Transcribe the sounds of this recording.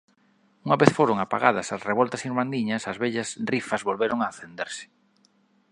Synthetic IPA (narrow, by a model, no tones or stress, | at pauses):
uŋɐβeθfoɾoŋapa̰ɣa̰ðɐsɐsreβ̞ɔlt̪ɐsiɾmand̪iɲɐsɐzβɛʎɐsrifɐzβolβeɾʔoŋaːθend̪eɾsɪ̥